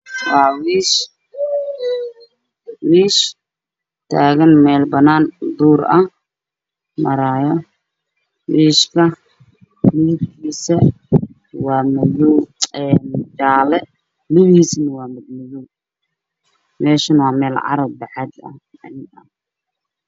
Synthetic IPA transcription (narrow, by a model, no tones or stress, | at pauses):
wwɑːwiːʃ | wiːʃ | t̪ʰaːɣɐnmɛːlbɐnaːnd̪uːɾɐh | mɐɾaːjɔ | wiːʃkʰɐ | lɪɪbkʰiːsɐ | wɑːmɐðɔwɛːnd͡ʒaːlɛ | liβiːsnɐwɑːmɐd̪mɐðuw | mɛːʃɐnwɑːmɛːlʕɑ̰ɾɐb̚bɑħɑd̪ɐ̰ | ɐ̰nɪɐ̰